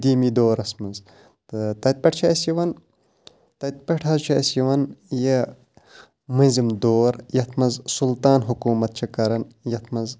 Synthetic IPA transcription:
d̪iːmid̪oːɾɐsmɐz | t̪t̪ɐt̪̚ʲpɐʈ̚ʰt͡ʃʰɐɐsiʋɐn | t̪ɐt̪̚pɐʈʰɐzt͡ʃʰɐɐsjiʋɐnje | mɐzimd̪oːɾjɐt̪ʰmɐzsult̪aːnɦukuːmɐt̪̚t͡ʃʰɐkɐɾɐnjɐt̪ʰmɐz

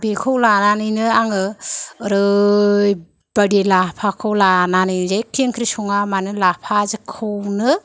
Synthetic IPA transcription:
bekʰɯwlananɯjnɯaŋɯɾɯj | b̥adilapʰakʰɯwlananɯjnzekʰiŋkʰɾisɔŋamanɯlapʰazɯkʰɯwnɯ

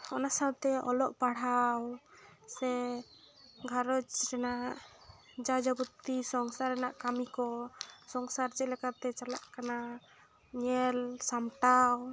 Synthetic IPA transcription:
ɔnasawt̪ɛɔ̰lɔʔpaɽ̤awsɛ | ɡʱaɾɔt͡ʃɾɛnaʔ | d͡ʒad͡ʒabut̪isɔŋsaɾɛnaʔkamikɔsɔŋsaɾd͡ʒɛlɛkat̪ɛt͡ʃala̰ʔkana | ɲɛlsamʈaw

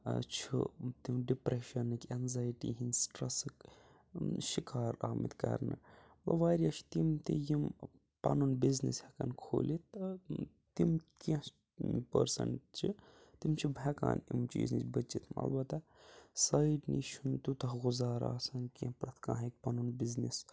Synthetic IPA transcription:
t͡ʃʰṵt̪imɖipɾeʃɐnːɨkʲɛnzaːjʈiɦinsʈɾɐsɨk | ʃikaːɾaːmit̪kɐ̰ɾnɨ | bɐ̰ʋaːɾijɐʃʰt̪imt̪ijim | pɐnunbiznishɐkɐnkʰo̰ːlit̪̚ | t̪imkɐ̃ | pə̰ɾsɐ̰ɳt͡ʃʰit̪imt͡ʃʰibʱɛka̰ːnimt͡ʃḭːznḭt͡ʃbət͡ʃit̪ʰmɐ̰lbɐt̪asaːʈniʃʰunt̪ut̪ɐɦɣʊzaːɾaːsɐnkɐ̃pɾɐt̪ʰkãːɦek̚pɐnunbiznis

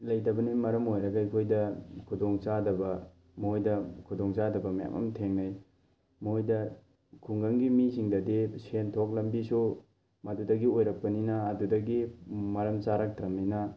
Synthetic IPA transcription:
lɐjdɐbɐnimɐɾɐmojɾɐɡɐjkʰojdɐkʰudoŋsadɐbɐ | mojdɐkʰudoŋsadɐbɐmaja̰mʔɐ̰mtʰeŋnaj | mojdɐ | kʰuŋɡɐŋɡimisiŋdɐdisentʰok̚lɐmbisu | mɐdudɐɡiojɾɐk̚pɐninɐːdudɐɡimɐɾɐmt͡ʃaɾak̚tɾɐmninɐ

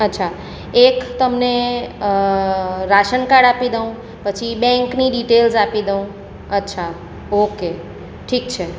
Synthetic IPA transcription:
ətːʃʰa | ekt̪əmne | ɾaʃənkaɽapid̪əũ | pət͡ʃʰibɛ̃ŋkniɖiʈelsapid̪əũ | ətːʃʰa | oke | ʈʰik̚t͡ʃʰe

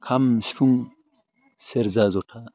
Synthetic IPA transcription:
kʰamsi̥fʰuŋ | seɾzazotʰa

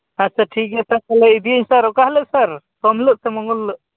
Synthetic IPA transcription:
asaʈʰik̚ɛt̪akɔlɛid̪iəɲsaɾɔʔkahləʔsaɾ | t̪ɔmləʔ̚t̪ɛmɔŋulːəʔ

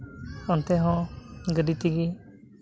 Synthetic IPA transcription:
ɔnt̪ɛɦɔ̃ɡəɖit̪iɡi

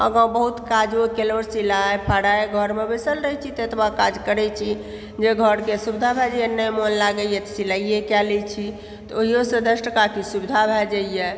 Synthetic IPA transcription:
ə̰ɡãbəɦut̪kad͡ʒokeloɾsilaepʰaɽaeɡʱəɾmebesəlɾəɦt͡ʃʰit̪et̪ʰbakad͡ʒkəɾɛt͡ʃʰi | d͡ʒeɡʱəɾkesubd̪ʱabʱɛd͡ʒəjenːəjmonlaɡəjet̪silaijekɛlɛt͡ʃʰi | t̪ɔoɦiosəd̪əsʈəkakisubid̪ʱabʱɛd͡ʒaije

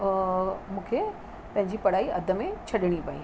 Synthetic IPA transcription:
mũːkʰe | pɐ̃ɦɪ̃ɲd͡ʑipɐɽ̤aːiɐd̪ʱə̆mẽt͡ɕʰɐɗɪɽ̃ipɐḭː

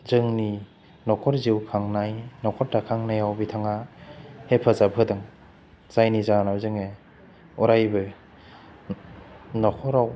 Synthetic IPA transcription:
zɯŋni | nɔkʰɔɾziwkʰaŋnajnɔkʰɔɾtakʰaŋnajawbitʰaŋahepʰazabʰɯdɯŋ | z̥ajnizanawzɯŋe | uɾajbɯ | nɔkʰɔɾaw

